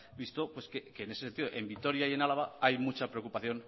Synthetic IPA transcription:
bist̪o̞pwe̞skeke̞ːnesesent̪iðoʔe̞mbit̪o̞ɾjaie̞nalaβ̞aajmut͡ʃapɾeo̞kupaθjo̞n

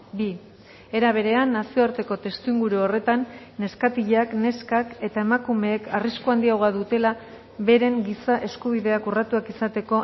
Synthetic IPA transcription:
bi | e̞ɾaβ̞e̞ɾe̞anːasio̞aɾt̪e̞ko̞t̪e̞st̪uiŋɡuɾuo̞re̞t̪anːe̞skat̪iʎeakne̞skake̞t̪ae̞makume̞ːkʰariskuand̪iaɣaðut̪e̞la | βe̞ɾe̞ŋɡisaʔe̞skuβ̞iðe̞akurat̪uakisat̪e̞ko̞

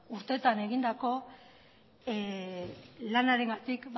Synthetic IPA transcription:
uɾt̪e̞ːt̪ane̞ɣind̪ako̞ | lanaɾe̞ŋɡat̪ikb

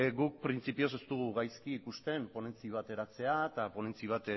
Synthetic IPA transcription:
ɡuk̚pɾint͡sipio̞s̬e̞st̪uɣ̞uɣajskiːkust̪e̞mpo̞ne̞nt͡siβ̞at̪e̞ɾat͡se̞at̪apo̞ne̞nt͡siβ̞at̪

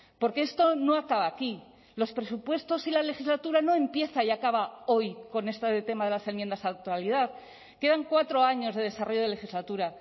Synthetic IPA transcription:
po̞ɾkeest̪o̞no̞akaβaːki | lo̞spɾe̞supwe̞st̪o̞silale̞xizlat̪uɾano̞ẽ̞mpje̞θaiakaβao̞jko̞ne̞st̪aðet̪e̞maðe̞lase̞mjend̪asat̪aliðað | ke̞ðaŋkwat̪ɾo̞aɲo̞zðeð̞e̞saro̞ʝo̞ð̞e̞le̞xizlat̪uɾa

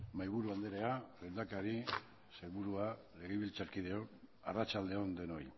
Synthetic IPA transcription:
majβuɾuand̪eɾe̞alend̪akaɾi | sejβuɾua | le̞ɣeβilt͡saɾkið̞e̞o̞n | a̰rat͡ʃald̪e̞o̞nd̪e̞no̞j

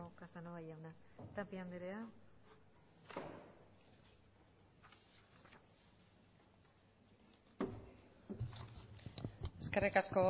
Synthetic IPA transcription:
okasanoβajawnat̪apiand̪eɾea | eskerikasko

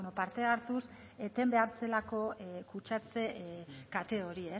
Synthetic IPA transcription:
nopaɾt̪e̞aɾt̪us | et̪e̞mbe̞aɾt͡se̞lako̞kut͡ʃat͡se̞kat̪e̞ɣo̞ɾie

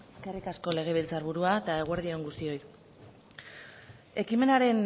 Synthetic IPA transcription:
eske̞rikasko̞le̞ɣ̞e̞βilt͡saɾβ̞uɾuaet̪ae̞ɣ̞weɾð̞io̞ŋɡust̪io̞j | e̞kime̞naɾe̞n

